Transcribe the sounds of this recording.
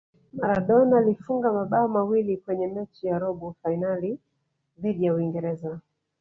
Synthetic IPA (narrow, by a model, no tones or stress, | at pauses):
maɾaɗɔnalifuŋɡamaɓaɔmawilikwɛɲɛmɛt͡ʃijaɾɔɓɔfainali | ðiɗijauiŋɡɛɾɛza